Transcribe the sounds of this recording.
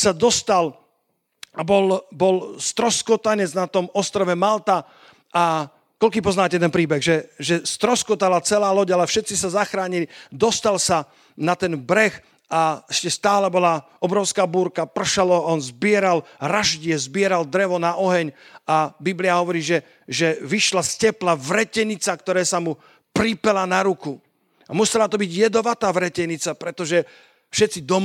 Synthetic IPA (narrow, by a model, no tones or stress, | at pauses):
sad̪ɔst̪al | abɔlbɔlst̪ɾɔskɔt̪aɲɛd͡znat̪ɔmɔst̪ɾɔʋɛmalt̪a | ʔa | kɔlkiːpɔznaːcɛt̪ɛnpɾiːbɛɣʒɛʒɛst̪ɾɔskɔt̪alat͡sɛlaːlɔɟalɛfʃɛt̪t͡sisazaxɾaːɲilid̪ɔst̪alsa | nat̪ɛnbɾɛx | aɛʃcɛst̪aːlɛbɔla | ɔbɾɔʊskaːbuːɾkapr̩ʃalɔɔnzbɪɛɾalɾaʒɟɪɛzbɪɛɾald̪ɾɛʋɔnaʔɔɦɛɲabibliaɦɔʋɔɾiːʒɛ | ʒɛʋiʃlascɛplaʋɾɛcɛɲit͡sakt̪ɔɾɛːsamu | pɾipɛlanaɾuku | amusɛlat̪ɔbiɟjɛd̪ɔʋat̪aːʋɾɛcɛɲit͡sapɾɛt̪ɔʒɛ | fʃɛt̪t͡sid̪ɔm